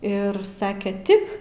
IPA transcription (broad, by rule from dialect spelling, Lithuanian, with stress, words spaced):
ˈɪr ˈsɑːkʲɛ ˈtʲɪk